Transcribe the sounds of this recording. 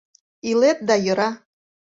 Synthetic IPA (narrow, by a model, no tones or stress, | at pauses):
ilet̪̚d̪ɑjɤ̆ɾɑ